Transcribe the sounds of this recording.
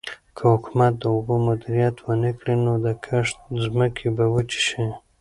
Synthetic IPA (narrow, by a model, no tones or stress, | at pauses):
kʰəhʊkumat̪̚d̪əʊbumʊd̪iɾijat̪wənəkɽinod̪əkʰaʂt̪zməkʰebawət͡ʃi̥ʃi